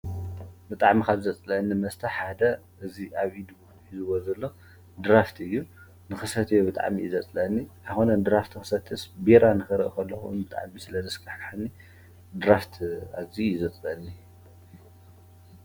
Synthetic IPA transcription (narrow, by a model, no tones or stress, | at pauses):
bɨt̪ʼaʕmikʰaβzɐt͡sʼlɐɨnːimɐst̪ʰɐħad̪ɐ | ɨziʔaβʔid̪ | ħizɨwozɐlːo̞ | d̪ɾaft̪ʰɨjːu | nɨxɨsɐt̪ʰjobɨt̪ʼa̰ʕmiizɐt͡sʼlɐʔɨnːiʔajxonɐnd̪ɾaft̪ʰixɨ̥sɐt̪ʰːɨsbeɾanɨxɨɾɨʔkʰɐlːɐxuɨ̰nbɨt̪ʼa̰ʕmisɨlɐzɨskaħkʰħanːi | d̪ɾaft̪ʰaβzizɐt͡sʼlɐɨnːi